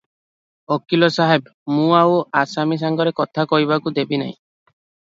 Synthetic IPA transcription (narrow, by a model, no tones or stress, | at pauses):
ɔkilɔsaɦebmũawasamis̬aŋɡɔɾekɔt̪ʰakɔɦiβakud̪ebina̰ɦḭ̃